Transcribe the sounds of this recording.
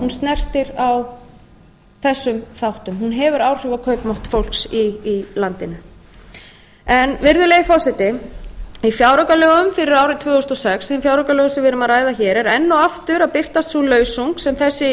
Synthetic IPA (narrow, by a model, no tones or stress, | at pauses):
hunst̪nɛr̥t̪ɪɾaw | θɛsːʏmθawht̪ʏmhunɦɛvʏɾawr̥ʏvakʰœːɥpmɔwht̪fowl̥ksiːlant̪ɪnʏ | ɛnvɪɾðʏleːjðɪfɔsɪt̪ɪ | ifjaːwɾɔkalœːɣʏmfɪɾɪɾaːwɾɪt̪ʰvœːʏst̪ɔsɛksθemfjawɾɔkalœːɣʏsʏvɪːɾʏmaðɾaːjðaçɛːɾɛɾɛnːɔwaft̪ʏɾapɪr̥t̪ast̪θulœːɥsuŋksɛmθɛsːɪ